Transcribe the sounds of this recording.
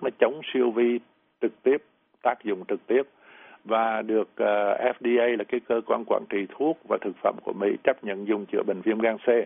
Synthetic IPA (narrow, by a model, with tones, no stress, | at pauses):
nɔ˨˦t͡ɕə˨˦wŋ͡msi˧əwvi˧ | t͡ɕɨ˨˩k̚t̪i˦˥əp̚ | t̪aː˦˥k̚zʊ̰˧˨ŋ͡mt͡ɕɨ˨˩k̚t̪i˦˥əp̚ | vaː˨˩ɗɨ˨˩ək̚ʔːʔɛ˦˥fɗi˧ʔə˧jlaː˨˩kaː˨˦jkəː˧kwa̰ː˧nkwa̰ː˧˩nt͡ɕi˨˩t̪ʰu˦˥ək̚vaː˨˩t̪ʰɨ˨˩k̚fə̰˧˩mku˧˩əmḭ˧˥t͡ɕə˦˥p̚ɲə̰˧˨nzʊ˨˩ŋ͡mt͡ɕɨ̰˧˩əɓï˨˩ŋ̟vi˧ənɣaː˧nse˧